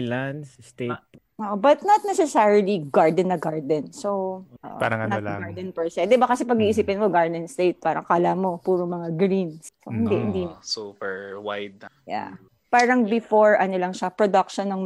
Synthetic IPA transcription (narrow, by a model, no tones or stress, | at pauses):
lansst̪e | ʔoʔobɐt̪̚nɐt̪̚nɛsɛsaɹiliɡaɹd̪ɛnːɐɡaɹd̪ɛnsowʔo̰ʔpa̰ɾɐŋɐlaɡaɹd̪ɛnpɛɹsɛd̪ɛbakɐsɛpɐɡiːʔis̬iːpɪnmoɡaɹd̪ɛnst̪ejt̪̚paːɾɐ̰ŋkaːlamo̞puːɾoŋmɐŋaɡɾinssohɪnd̪ɛʔhɪ̰nd̪isupɛɹwajd̪̚ja̰ | paːɾɐŋbɪfoɹɐnolɐŋʃɐpɾɹod̪ɐk̚ʃonːɐŋ